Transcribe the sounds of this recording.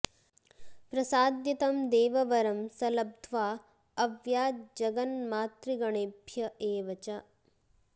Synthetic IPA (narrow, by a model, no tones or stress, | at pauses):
pɾɐsaːd̪jɐt̪ɐmd̪eːʋɐʋɐɾɐmsɐlɐb̚d̪ʱʋaː | ɐʋjaːd͡ʒɐɡɐnmaːt̪ɾiɡɐɳebʱjɐʔeːʋɐt͡ʃa